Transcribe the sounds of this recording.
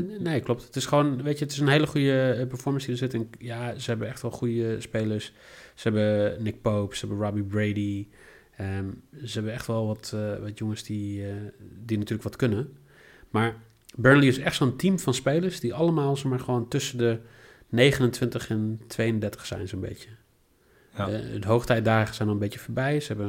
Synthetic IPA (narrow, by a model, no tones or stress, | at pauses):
neːklˠop̚tətɪsχəʋoːnʋeːtjəətɪs̬ənɦeːləχujəpəɹfɔɹmənsdiəsɪtɛnjazəhɛbəɛxtʋɛlˠχujəspeːləɹssəɦɛbənɪk̚poːpsəɦɛbəɹɔbibɹeːdi | əzəhɛbəɛxtʋɛlˠʋɔtʋɔtjoŋəsdi | dinatyːɹləkʋɑtkɵnə | maːɹ | bɜɹnliɪsɛxtsoəntimfɑnspejləɹsdiʔɑləmaːlˠsɛχmaːɹχəʋoːntɵsəndə | nejχənəntʋɪntəχɛntʋejəndɛɹtə̥χsɛ̰jnsoːnbḛtjə | dəɦowχtɛj̚daːχəsɛjnɔlˠənbetjəfəːɹbɛjzəɦɛbə